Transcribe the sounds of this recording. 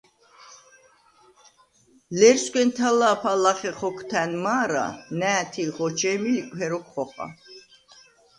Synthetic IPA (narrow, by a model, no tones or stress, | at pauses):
lɛɾskʷʼɛnt̪ʰalaːpʰalaχɛχɔkʰt̪ʰænmaːɾa̰næːt̪ʰiʁɔt͡ʃʰɛːmilikʷʼhɛɾɔkʰʼχɔχa̰